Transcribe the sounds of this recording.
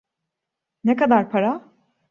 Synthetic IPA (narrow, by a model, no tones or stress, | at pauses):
nekad̪aɾpʰaɾa